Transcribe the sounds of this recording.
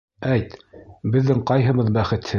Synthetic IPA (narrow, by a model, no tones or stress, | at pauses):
æjt̪bɘ̆ðːɘŋqɑjɦɤ̆βɤðbæχɘ̆t̪hɘ